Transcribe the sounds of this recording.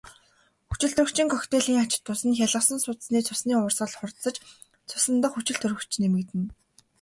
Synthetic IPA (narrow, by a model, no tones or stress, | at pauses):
xut͡ɕɪ̆ɮt̪ʰɵɾɵ̆kt͡ɕɪ̆ŋkʰœxt̪eːɮiːŋat͡ɕɪ̥̆t̪ːʊsə̆nxʲaɮə̆sə̆nsʊːt̪̆sniːt͡sʰʊsniːʊːrsəːɮχʊrt̪sə̆t͡ɕ | t͡sʰʊ̥sə̆nt̪ə̆χxut͡ɕɪ̆ɮt̪ʰɵ̆ɾɵ̆kt͡ɕɪ̆nemɘ̆kt̪ɘ̆n